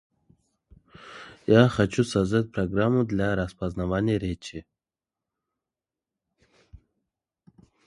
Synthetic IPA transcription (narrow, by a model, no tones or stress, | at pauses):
jaχat͡ʃusazd̪at̚ʲpɾɐɡɾamːud̪lʲaɾaspaznavanʲɪjəɾʲet͡ʃi